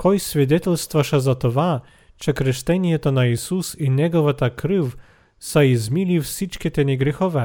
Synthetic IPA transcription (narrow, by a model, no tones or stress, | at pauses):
kʰɔjsvɛd̪ɛt̪ɛlst̪vaʃazat̪ɔʋa | t͡ʃɛkɾɛʃt̪ɛnijɛt̪ɔnaisusinʲɛɡɔʋat̪akɾɨw | saizmilifsit͡ʃkɛt̪ɛniɡɾɛxɔʋɛ